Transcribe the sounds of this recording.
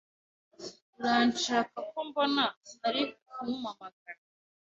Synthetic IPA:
nzaːnt͡ʃaːkak̚ombonanaɾikumumamaɡaɾ

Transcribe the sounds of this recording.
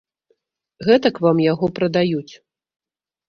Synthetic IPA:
ɣɛt̪ɐkvamjaɣɔpɾɐd̪ajut͡sʲ

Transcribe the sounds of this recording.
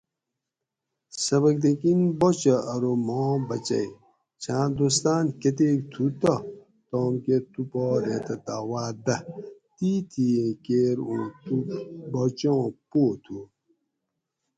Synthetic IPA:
sɐbɐkd̪ekinbot͡ɕɐɐɾomɔːbɐt͡ɕɐ̰j | t͡ɕʰãːd̪oːst̪aːnket̪ekt̪ʰut̪ɐ | t̪oːmket̪upɔːɾẽt̪ɐt̪aːwaːd̪ɐt̪iːt̪ʰiẽkeːɾũːt̪ubɔt͡ɕõːpoːt̪ʰu

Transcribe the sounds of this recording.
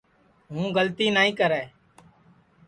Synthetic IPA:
ɦũːɡəlt̪iːnaːĩːkəɾɛː

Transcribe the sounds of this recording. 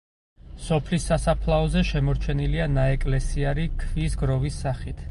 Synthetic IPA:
sɔpʰlisːasapʰlˠaɔzɛʃɛmɔɾt͡ʃʰɛnilianaɛkʼlɛsiaɾikʰvisɡɾɔvisːaχit̪ʰ

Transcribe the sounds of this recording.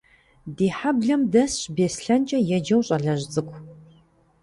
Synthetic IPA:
diːħabɮɐmdɐsɕbeːsɬɐnt͡ʃʼɐjɛd͡ʒɐwɕʼɐɮɐʑt͡sʼɨkʷʰʼ

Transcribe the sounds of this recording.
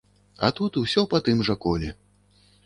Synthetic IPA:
ɐ̰t̪ut̪usʲɔpɐt̪ɨmʐɐkɔlʲɛ

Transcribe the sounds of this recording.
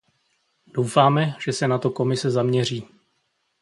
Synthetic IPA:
d̥o̞wfaːmɛʒ̥ɛsɛnat̪o̞ko̞mɪsɛzamɲɛr̝iː

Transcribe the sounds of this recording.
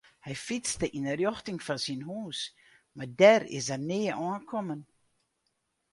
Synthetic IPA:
hɛjfit͡stəʔinərjɔxtɪŋfɔsinhuːs | madɛrɪ̰sərneːəʔɔːnkʰɔmən

